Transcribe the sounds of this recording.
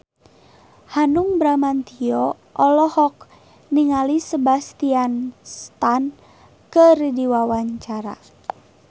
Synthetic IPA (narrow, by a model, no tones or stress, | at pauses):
hanuŋbɾamant̪iɔ | ʔɔlɔhɔk̚ | niŋalisəbast̪ianst̪an | kərdiwawaɲt͡ʃaɾa̰